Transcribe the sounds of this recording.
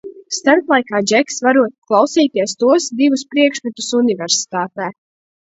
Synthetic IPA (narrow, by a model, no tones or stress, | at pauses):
st̪aɾt̪lˠajkaːd͡ʒɛksvaɾuɔt̪̚klˠawsiːt̪iɛst̪uɔsd̪ivuspɾiɛkʃmɛt̪usunivɛɾsi̥t̪aːt̪ɛː